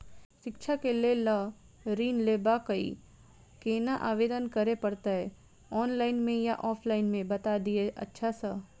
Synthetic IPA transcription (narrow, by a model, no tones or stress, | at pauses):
ʃɪkʃʰakelelə | ɾiːnleːbakəḭ | keːnaʔaːʋeːd̪ənkɐɾepɐɾt̪aɦɛ | ɔːnlaːɪnmẽjaʔɔːpʰlaːɪnmẽbɐt̪ad̪ieʔɐ̰tːʃʰasə